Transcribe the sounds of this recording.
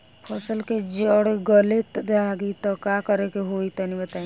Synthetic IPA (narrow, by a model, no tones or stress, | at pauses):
pʰɔsəlked͡ʒɔɽeɡɔlet̪d̪aɡit̪ɔkakɔɾekeɦoit̪ɔnibət̪a